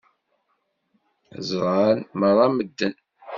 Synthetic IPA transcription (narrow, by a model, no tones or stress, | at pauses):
zʁanmərˤɑməd̪ːən